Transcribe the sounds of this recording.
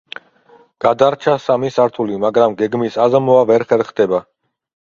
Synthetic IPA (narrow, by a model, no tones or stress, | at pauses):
ɡ̥ad̪aɾt͡ʃʰasamisaɾt̪ʰulimaɡɾamɡɛɡmisazmɔavɛɾχɛɾχd̪ɛba